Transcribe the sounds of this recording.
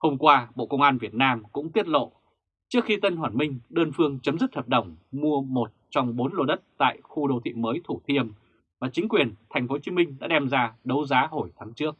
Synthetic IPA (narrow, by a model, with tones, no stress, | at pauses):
ho˧mkwaː˧ɓo̰˧˨kə˧wŋ͡mʔaː˧nvi˨˩ət̚naː˧mkʊ̰˧˥ŋ͡mt̪i˦˥ət̚lo̰˧˨ | t͡ɕɨ˦˥əkxi˧t̪ə˧nhwaː˧˩nmï˧ŋ̟ɗəː˧nfɨ˧əŋt͡ɕə˨˦mzɨ˦˥t̚həː˨˩p̚ɗə˧˩wŋ͡mmu˧əmo˨˩t̚t͡ɕɔ˧wŋ͡mɓo˨˦nlo˧ɗə˦˥t̚t̪a̰ː˧˨jxu˧ɗo˧t̪ʰḭ˧˨məː˨˦jt̪ʰu˧˩t̪ʰi˧əm | vaː˨˩t͡ɕï˨˦ŋ̟kwi˨˩ənt̪ʰɛ˨˩jŋ̟fo˨˦t͡ɕi˨˦mï˧ŋ̟ɗa̰ː˧˥ɛ˧mzaː˧ɗə˨˦wzaː˨˦ɦo˧˩jt̪ʰaː˨˦ŋt͡ɕɨ˦˥ək̚